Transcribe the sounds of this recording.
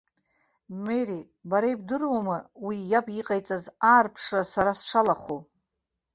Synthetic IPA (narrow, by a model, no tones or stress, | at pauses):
meɾi | baɾajbdɨrwamɨwijapʼiqʼajt͡sʼazaːrpʰʂrasaɾasʂalaχo